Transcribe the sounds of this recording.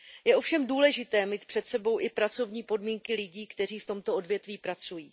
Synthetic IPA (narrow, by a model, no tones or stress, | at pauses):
jɛʔo̞fʃɛmduːlɛʒɪt̪ɛːmiːt̪pr̥ɛt̪sɛbo̞wʔɪpɾat͡so̞vɲiːpo̞dmiːŋkɪlɪɟiːkt̪ɛr̝iːft̪o̞mt̪o̞o̞dvjɛt̪viːpɾat͡sujiː